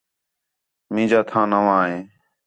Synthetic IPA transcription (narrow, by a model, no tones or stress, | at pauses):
mĩːd͡ʒaːt̪ʰãːnəʋãːɦẽː